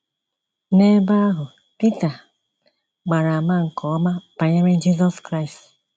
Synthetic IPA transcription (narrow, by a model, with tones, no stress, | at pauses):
ne˦ba˦a˦ɦʊ˨ | pi˦ta˨ | ɡ͡ba˨ɾa˨ma˦ŋ̩˨kɔ˨ɔ˦ma˦pa˨ɲe˦me˦d͡ʒi˦zɔ˦skɾa˦i˨st